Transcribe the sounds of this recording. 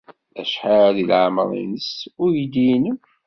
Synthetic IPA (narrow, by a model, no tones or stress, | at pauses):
æʃħaðilʕməɾˤḭnəsʊɾjid̪in